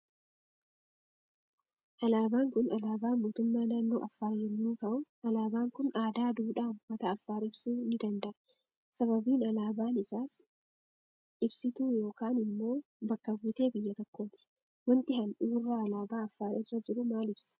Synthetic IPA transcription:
ʔɐlaːbaːŋkʊnɐlaːbaːnmuːt̪ʊmːaːnaːnːoːʔɐfːaːjɛnːuːt̪ɐʔʊʔɐlaːbaːŋkʊnʔaːd̪aːd̪uːᶑaːmmɐt̪ɐːfːaːɾɪbsuːnɪd̪ɐnd̪ɐʔɐ | sɐβɐbiːnɐlaːbaːnɪsaːs | ʔɪbsɪt̪uːjo̞ːkaːnɪmːo̞ːbɐkːɐwːɪt̪e̞ːbɪjːɐt̪ɐkːo̞ːt̪ɪ̥ | wɐnt̪ɪhɐnʔuːrːaːɐlaːbaːɐfːaːɾʔɪrːɐd͡ʒɪɾʊmaːlɪbsɐ̥

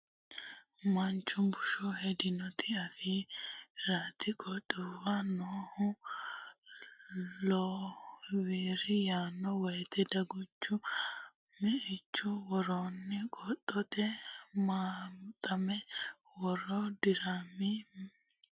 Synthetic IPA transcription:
mɐnt͡ʃːʊmbʊʃɔhɛd̪ɪnɔt̪ʰɪɐfiːɾaːt̪ɪkʼɔt̪ʼːʊwɐnoːhʊ | loːwiːɾɪjaːnːɔwɔjt̪ɛd̪ɐɡɔt͡ʃːʊ | mɛʔɪt͡ʃːʊwɔɾoːnːɪkʼɔt̪ʼːɔt̪ɛmaːt̪ʼɐmɛ | wɔɾɔd̪ɪɾamːɪ

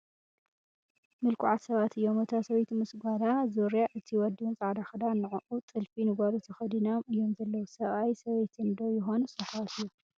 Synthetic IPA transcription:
mɨlkʰʊʕat̪sɐβat̪ʰɨjːomɨt̪ʰasɐβejt̪mɨsɡʷad̪azoɾjaʔɨt̪ʰiwɔd̪iwnt͡sʼaʕd̪axɐd̪anːɨʕuʔut̪ʼɨlfinɨɡaɾut̪ʰɐxɐd̪inomɨjːo̞mzɐlːɐwusɐβajsɐβejt̪ʰɨnd̪ojɪxo̞nusɐħat̪ɨjːu

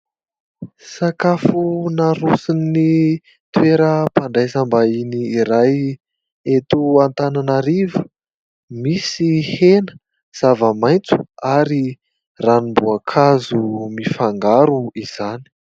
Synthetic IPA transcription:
sakafunaɾusinːi | t̪weɾəpaɳɖ͡ʐajsambainiːɾaj | et̪uant̪ananaɾivə̥ | misihenə̥ | z̥avəmajnt͡su̥aɾi | ranimbuakʰazumifaŋɡaɾuiz̥ani̥

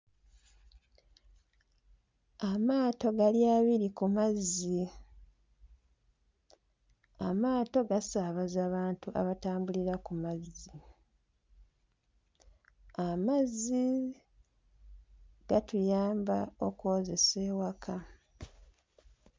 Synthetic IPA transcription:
amaːto̞ɡaljaːβiɾikumazi | amaːto̞ɡasaβazaβaːntuʔa̰βataːmbuliɾakumazi | amazi | ɡ̥atujaːmbao̞kwo̞ːze̞seːwakʰa

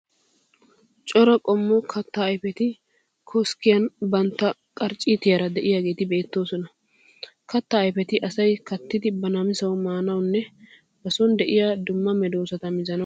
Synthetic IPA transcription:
t͡ʃʼɔɾɐkʼɔmːɔkʰɐt̪ːɐːjfɛt̪ɪ | kʰɔskːɪjɐnbɐnt̪ːɐkʼɐɾt͡ʃʼːiːt̪ɪjɐɾɐd̪ɛʔɪjaːɡe̞ːt̪ɪbe̞ːt̪ːo̞ːsɔnɐ | kʰɐt̪ːɐːjfɛt̪ɪʔɐsɐjkɐt̪ːɪd̪ɪbɐnamɪsɐwʊmaːnɐwnːɛ | bɐsɔnd̪ɛʔɪjad̪ʊmːɐmɛd̪o̞ːsɐt̪ɐmɪzɐnɐ

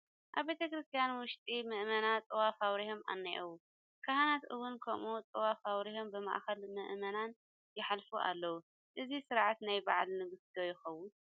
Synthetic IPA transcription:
ʔaβbe̞t̪ʰɐkɾɨst̪ʰijanwʊʃt̪ʼimɨʔmɐnat̪ʼɨwafawɾiho̞mʔa̰nːɐ̰ʔwu | kʰɐhanat̪ʔɨwʊnkʰɐmʔut̪ʼɨwafawɾiho̞mbɨma̰ʔxɐlmɨʔmɐnan | jɪħalfuʔa̰lːɐwu | ʔɨzisɨɾʕat̪najba̰ʕlnɨɡɨsd̪ʰojɪxɐwːʊn

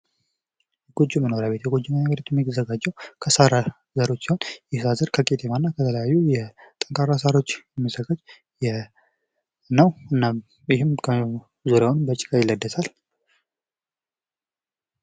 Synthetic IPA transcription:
ɡ̥od͡ʒːuməno̞ɾjaβet̪jɛɡod͡ʒːɪmanaβəɾit̪ʰuɛmːit̪əzəɡad͡ʒːəwkʰəsaɾa | zəɾo̞t͡ʃːsiho̞njɛsazəɾkʰəkʼet̪ʰemanːakʰət̪ʰələjajːujɛt̪ʼəŋkʼaɾas̬aɾo̞t͡ʃːɛmːisəɡad͡ʒ | jɛ | nəwɨnːa | jɪɦɪmkʰə | zuɾaonmbət͡ʃʼːɪ̥kʼajɪlːəd̪ːəsal

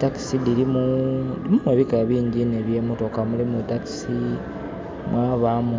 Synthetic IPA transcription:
taki̥sidilimudimumweβikaβiːɲɟine̞βje̞ːmoto̞kamulimutaki̥si | mwʔaːβamu

